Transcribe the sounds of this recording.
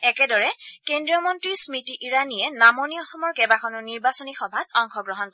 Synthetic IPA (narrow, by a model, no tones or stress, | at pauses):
ɛkɛdɔɹɛkendɹijɔmɔntɹismitiʔiɹaniɛnamoniɔxɔmɔɹkɛbakʰɔnɔniɹbasɔnixɔbʱatɔŋxɔɡɹɔɦɔnkɔɛ